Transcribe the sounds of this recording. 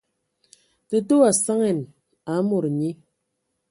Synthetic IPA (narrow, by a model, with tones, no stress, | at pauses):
tɨ˦to˦a˨sa˦ŋɛ˨n | a˨˦mo˨ɾɲi˦